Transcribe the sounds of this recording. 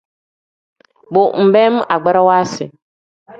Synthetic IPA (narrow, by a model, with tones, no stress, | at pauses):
bo˨m̩˨bɛ˦m˦ʔa˨ɡ͡ba˦ɾa˦waː˦sɪ̰˨